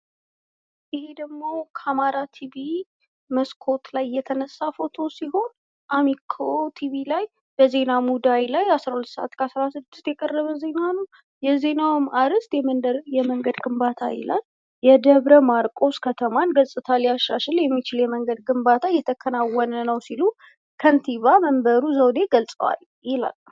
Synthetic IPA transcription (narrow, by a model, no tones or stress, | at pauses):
ʔɪhe̞d̪əɡmo̞kʰamaɾat̪ʰiβi | məskʰo̞t̪lajːɛt̪ʰənəsːafo̞t̪ʰo̞siɦo̞n | ʔamikʰot̪ʰiβilaj | b̥əze̞namud̪ajlajasɾahulət̪səʔa̰t̪kʰəasɾasɨd̪ːɨ̥st̪jɛkʼərːəβəze̞nanəw | jɛze̞nawmaɾɨst̪jɛmənd̪əɾjɛməŋɡəd̪ɡɨmbat̪ʰajḭla̰l | jɛd̪əβɾəmaɾkʼo̞skʰət̪ʰəmanɡəlsʼɨt̪ʰalːijaʃɾaʃɪljɛmːit͡ʃɪljɛməŋɡəd̪̚ɡɨmbat̪ʰajɛt̪ʰəkʰːənawənənəwsilu | kʰənt̪ʰiβaməmbəɾuzəwd̪e̞ɡəlsʼəwa̰l | jila̰lːə